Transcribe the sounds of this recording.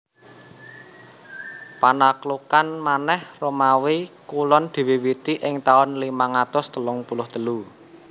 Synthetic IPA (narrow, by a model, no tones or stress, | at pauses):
panaklukanmanɛhromawikulɔnd̪̥i̤wiwit̪iʔɪŋt̪aʊnlimaŋat̪ʊst̪əlʊŋpulʊht̪əlu